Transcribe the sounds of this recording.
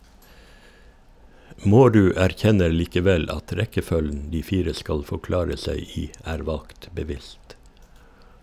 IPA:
ˈmoːˌɾʉː æɾˈçɛnəɾ liːkəˈʋɛl ˈɑt ˈɾɛkəˌfœln̩ ˈdiː ˈfiːɾə ˈskɑl fɔˈklɑːɾə ˈsæɪ ˈiː ˈæːɾ ˈʋɑlkt bəˈʋɪst

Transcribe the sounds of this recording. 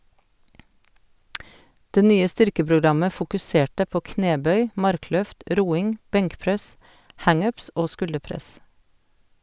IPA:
ˈdeː ˈnyːə ˈstʏɾkəpɾʊˌɡɾɑmə fʊkʉˈseːʈə ˈpoː ˈkneːˌbœʏ ˈmɑɾˌklœft ˈɾuːɪŋ ˈbɛŋkˌpɾɛs ˈhɑŋ ˈʉːps ˈoː ˈskʉldəˌpɾɛs

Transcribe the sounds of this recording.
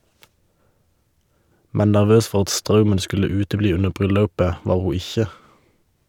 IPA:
ˈmɛn næʁˈʋøːs ˈfɔʁ ˈɑt ˈstʁɑʉmən ˈskʉlə ˈʉːtəˌbliː ˈʉnə ˈbʁʏˌlɑʉpə ˈʋɑːʁ ˈhuː ˈɪçə

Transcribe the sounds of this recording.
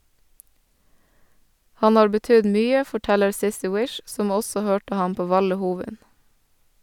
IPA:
ˈhɑn ˈhɑːɾ bəˈtʏd ˈmyːə fɔˈʈɛləɾ ˈsɪsɪ ˈwɪʃ ˈsɔm ˈɔsɔ ˈhøːʈə ˈhɑm ˈpoː ˈʋɑlə ˈhuːʋɪn

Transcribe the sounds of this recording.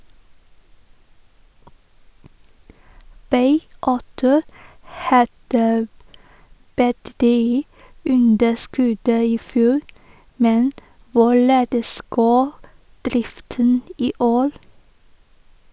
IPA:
ˈbɑɪ ˈɑʉtʊ ˈhɑdə bətəˈtyː ˈʉndəˌskʉd ə ɪˈfjuːɾ ˈmɛn ˈʋʊˌɭeːdəs ˈɡoː ˈdɾɪftən ˈiː ˈʔoːɾ

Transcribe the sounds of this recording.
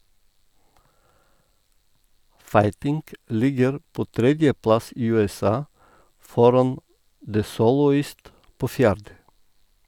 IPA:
ˈfɑɪtɪŋk ˈlɪɡəɾ ˈpoː ˈtɾɛdjəˌplɑs ˈiː ˌʉːɛˈsɑː ˈfɔɾɑn də ˈsoːlɔˌiːst ˈpoː ˈfjæːɾdə

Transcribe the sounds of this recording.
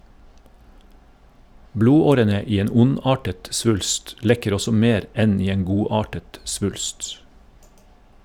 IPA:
ˈbluːˌoːɾənə ˈiː ˈeːn ˈʊˌnɑːʈət ˈsʋʉlst ˈlɛkəɾ ˈɔsɔ ˈmeːɾ ˈɛn ˈiː ˈeːn ˈɡuːˌɑːʈət ˈsʋʉlst

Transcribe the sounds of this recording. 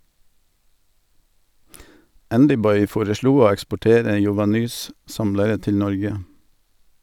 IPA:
ˈændʏˌbɔʏ ˈfoːɾəˌʃɭuː ˈoː ɛkspɔˈʈeːɾə jʊʋɑˈnyːs ˈsɑmləɾə ˈtɪl ˈnɔɾɡə

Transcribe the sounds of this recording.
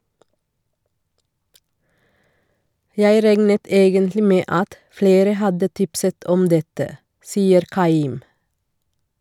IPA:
ˈjæɪ ˈɾæŋnət ˈeːɡəntlɪ ˈmeː ˈɑt ˈfleːɾə ˈhɑdə ˈtɪpsət ˈʔɔm ˈdɛtə ˈsiːəɾ ˈʔkɑˌiːm

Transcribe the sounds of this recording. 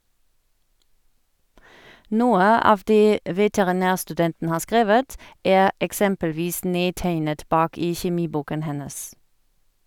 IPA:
ˈnuːə ˈɑːʋ ˈdeː ʋɛtɛʁɪˈnæːʁstʉˌdɛntn̩ ˈhɑːʁ ˈskʁeːʋət ˈæːʁ ɛkˈsɛmpəlˌʋiːs ˈneːˌtæɪnət ˈbɑːk ˈiː çɛˈmiːˌbuːkən ˈhɛnəs

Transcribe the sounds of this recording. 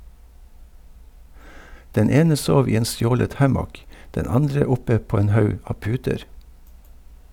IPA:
ˈdɛn ˈeːnə ˈsoːʋ ˈiː ˈeːn ˈstjoːlət ˈhæmɔk ˈdɛn ˈɑndɹə ˈʊpə ˈpoː ˈeːn ˈhɑʉ ˈɑː ˈpʉːtəɾ

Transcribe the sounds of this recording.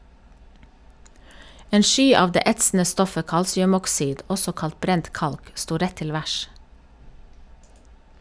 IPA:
ˈeːn ˈʃyː ˈɑːʋ ˈdeː ˈɛtsn̩ə ˈstɔfə ˈkɑlsɪʉmɔkˌsiːd ˈɔsɔ ˈkɑlt ˈbɾɛnt ˈkɑlk ˈstuː ˈɾɛ ˈtɪl ˈʋæʃ

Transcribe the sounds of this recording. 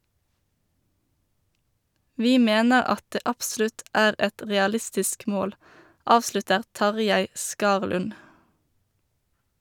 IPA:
ˈʋiː ˈmeːnəʁ ˈɑt ˈdeː ˈɑpˌslʉt ˈæːʁ ˈɛt ˌʁɛɑˈlɪstɪsk ˈmoːl ˈɑːʋslʉtəʁ ˈtɑʁˌjæɪ ˈskɑːʁlʉn

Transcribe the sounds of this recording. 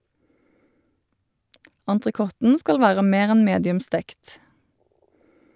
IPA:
ɑntʁəˈkɔtn̩ ˈskɑl ˈʋæːʁə ˈmeːʁ ˈɛn ˈmeːdɪʉm ˈstɛkt

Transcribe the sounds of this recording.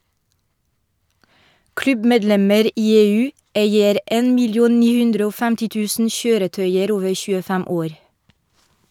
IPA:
ˈklʉbmeːdˌlɛməɾ ˈʔiː ˈeːˌʉː ˈʔeɪəɾ ˈʔɛn mɪlɪˈuːn ˈniː ˈhʉndɾə ˈoː ˈfæmtɪ ˈtʉːsn̩ ˈçøːɾəˌtœʏəɾ ˈoːʋə çʉːəˈfæm ˈoːɾ

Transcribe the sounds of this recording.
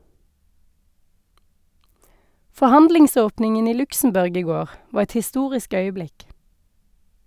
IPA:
fɔˈhɑndlɪŋˌsoːpnɪŋən ˈiː ˈlʉksm̩ˌbʉʁɡ ˈiː ˈɡoːʁ ˈʋɑːʁ ˈɛt hɪˈstuːʁɪsk ˈœʏəˌblɪk

